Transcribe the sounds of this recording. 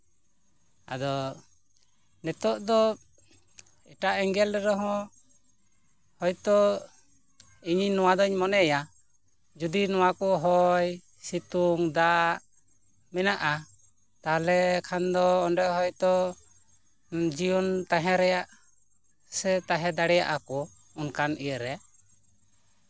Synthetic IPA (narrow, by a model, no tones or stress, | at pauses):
a̰d̪ɔ | nɛt̪ɔʔd̪ɔ | ɛʈaʔɛŋɡɛlɾɛɾɔɦɔ̃ | hɔjt̪ɔ | iɲiɲnɔwad̪ɔɲmɔnɛja | d͡ʒud̪inɔwakɔɦɔj | sit̪uŋd̪aʔ | mɛnaʔa | t̪alɛkʰand̪ɔːnɖɛɦɔjt̪ɔ | d͡ʒijɔnt̪aɦɛ̃ɾɛjaʔ | sɛt̪aɦɛ̃d̪aɽɛja̰ʔakɔ | ɔnkanijəɾɛ